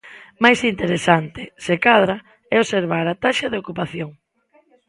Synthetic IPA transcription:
majsint̪eɾesant̪ɪsekaðɾa | ɛoseɾβ̞aɾat̪aʃɐðeokupaθjoŋ

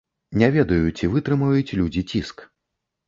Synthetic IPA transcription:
nʲavʲɛd̪ɐjut͡sʲivɨt̪ɾɨmɨvɐjut͡sʲɛlʲud͡zʲit͡sʲisk

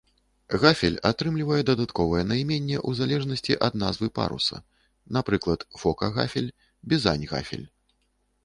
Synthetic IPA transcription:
ɣafʲɛlʲat̪ɾɨmlʲivɐjɛd̪ɐd̪at̪kɔvɐjɛnɐjmʲenʲːɛʔuzalʲɛʐnɐsʲt͡sʲiʔɐd̪nazvɨpa̰ɾṵsɐ̰ | napɾɨklˠɐt̪fɔkɐɣa̰fʲɛlʲ | bʲiza̰nʲɣa̰fʲɛ̰lʲ

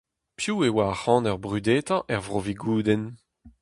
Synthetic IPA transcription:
pjuːewaːχɑ̃ːnœʁbʁyd̪eːt̪ɑ̃ʔɛʁvʁoviɡuːd̪ɛn

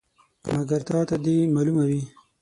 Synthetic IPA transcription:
mɐɡɐɾt̪ɑːt̪ad̪imaːlumawi

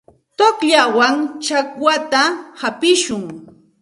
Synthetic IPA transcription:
t̪okʎawaŋt͡ʃakwat̪ahapɪʃʊŋ

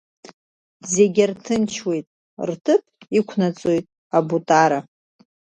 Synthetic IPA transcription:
zeɡʲartʰɨnt͡ʃʰwe̞jtʼ | rtʰɨpʰʼikʷʰnat͡sʼo̞jtʼ | abutʼaɾa

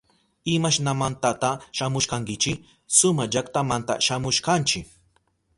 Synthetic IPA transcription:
ɪmaʃnamant̪at̪aʃamʊʃkaŋkɪt͡ʃɪ | sʊmad͡ʒakt̪amant̪a̰ʃamʊʃkant͡ʃɪk

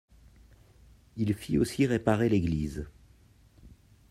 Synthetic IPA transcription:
ilfiosiʁepaʁeleɡliz

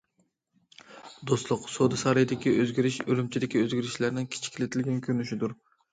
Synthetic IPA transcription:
d̪oslˠʊqsod̪ɨsɑɾɨjd̪ɪkʲiʔøzɡʲiɾɪʃølymt͡ʃʰid̪ɪkʲiøzɡʲiɾɪʃlæɾnɪŋkʲʰi̥t͡ʃʰi̥kʲʰilɪt̪ʰɪlɡʲɛnkʲʰøɾnyʃid̪uɾ

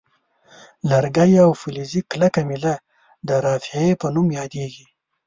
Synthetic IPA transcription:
laɾɡajawfuliziklakamila | d̪əɾɑfɪepənumjɑd̪eɡi

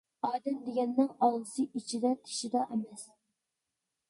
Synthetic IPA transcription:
ɑːd̪ɛmd̪eɡʲɛnːɪŋɑllˠɨsɨʔit͡ʃʰid̪ɛt̪ʰe̥ʃid̪ɑʔɛmɛs

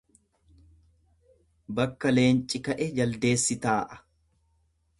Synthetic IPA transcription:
bɐkːɐle̞ːnt͡ʃʼɪkɐʔɛd͡ʒɐld̪e̞ːsːɪt̪aːʔɐ̥

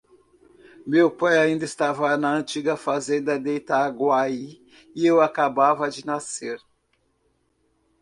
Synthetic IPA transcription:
mewpajaĩnd̪ɐɪst̪avɐnɐɐ̃nt͡ʃiɡɐfazẽnd̪ɐd̪ejt̪aːɡwai | ɪewakabavɐd͡ʒɪnaseɾ

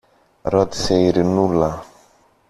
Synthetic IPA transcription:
ɾɔd̪sejɾinula

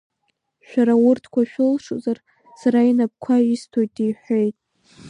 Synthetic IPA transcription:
ʃᶣaɾawʊrtʰkʷʰaʃᶣɪlʂozar | saɾainap̚kʷʰaistʰojtʼiħʷojtʼ

